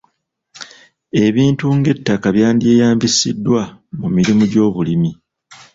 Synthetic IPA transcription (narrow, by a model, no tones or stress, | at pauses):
e̞βiːntuŋɡe̞tːakaβjaːndie̞ːjaːmbisḭdːwamumiɾimuɟo̞ːβulimi